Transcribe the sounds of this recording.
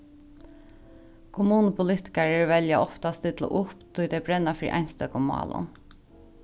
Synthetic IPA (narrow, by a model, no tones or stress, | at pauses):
kʰʊmuːnəpʰʊlɪt̪ɪ̥kaɹəɹʋɛljaʔɔft̪ast̪ɪt̪lə̰ʔʊpt̪ʰʊjd̪ɛbɾɛnːafɾḭːʔɑ̰jnst̪œkʊmːɑ̰ːlʊ̰m